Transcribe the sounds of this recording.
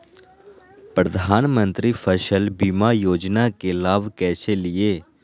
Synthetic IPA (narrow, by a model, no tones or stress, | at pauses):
pɾəd̪ʱaːnmə̃nt̪ɾiːpʰəʃəlbiːmaːjoːd͡ʒnaːkeːlaːʋkɛːseːlɪeː